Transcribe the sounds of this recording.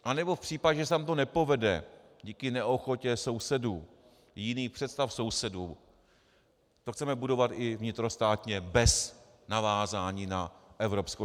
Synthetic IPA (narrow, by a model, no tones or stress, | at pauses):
ʔanɛbo̞fpr̥iːpaɟɛʒɛsaːmt̪o̞nɛpo̞vɛdɛ | ɟiːkɪnɛʔoxo̞cɛso̞wsɛduː | jɪniːpr̥ɛt̪st̪afso̞wsɛduː | t̪oxt͡sɛmɛbudo̞vat̪ʔɪvɲɪt̪ɾo̞st̪aːt̪ɲɛbɛs | navaːzaːɲiːnaʔɛvɾo̞psko